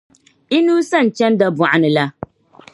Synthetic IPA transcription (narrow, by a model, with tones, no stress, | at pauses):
i˦nuː˦sa˦˨n̩˨t͡ʃɛ˦nda˦ba˨ʔa˨nɨ˨la˦